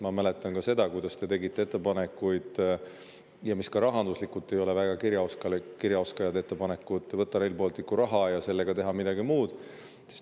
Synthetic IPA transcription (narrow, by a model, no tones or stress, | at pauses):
mɑmæle̞t̪ːˑɑnkɑse̞d̪̥ɑkujd̪̥ɑst̪e̞t̪e̞ɡit̪ːe̞et̪ˑːe̞pɑne̞kːˑujd̪̥ | jɑmiskɑɾɑɦɑnd̪uslikult̪ːˑe̞jo̞le̞væɡ̥ɑkiɾjɑoskɑlkiɾjɑo̞skɑjɑd̪et̪ːe̞pɑne̞kːˑut̪ːˑvɤt̪ːɑɾelpoːlt̪ːikːuɾɑɦɑjɑse̞lːeɡ̥ɑt̪e̞ɦɑmid̪ɑɡimuːd̪̥ | es